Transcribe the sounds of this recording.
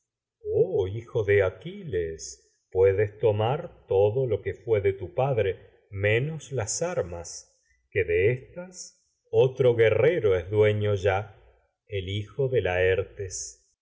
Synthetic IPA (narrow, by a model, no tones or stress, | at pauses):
oixo̞ðeakiles | pwe̞ðest̪o̞maɾt̪o̞ðo̞lo̞kefwe̞ðet̪upaðɾe̞ | mẽnoslasaɾmas | keðeest̪as | ot̪ɾo̞ɣe̞reɾoezðwe̞ɲo̞ʒa | elixoðe̞laeɾt̪es